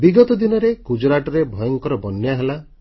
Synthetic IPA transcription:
biɡɔt̪ɔd̪inɔɾekud͡ʒɾaʈɔɾebʱɔjɔŋkɔɾɔbɔnjaɦela

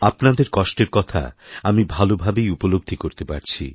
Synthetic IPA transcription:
apnad̪eɾkɔʃʈeɾkɔt̪ʰa̰amibʱalobʱabejupoloɡ̚d̪ʱikoɾt̪epaɾt͡ɕʰḭ

